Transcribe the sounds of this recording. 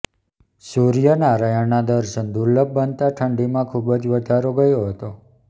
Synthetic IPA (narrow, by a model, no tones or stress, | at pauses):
suɾijənaɾajənad̪əɾʃənd̪uɾləb̚bənt̪aʈʰəɳɖimãkʰubəd͡ʒʋəd̪ʱaɾoɡəjoɦət̪o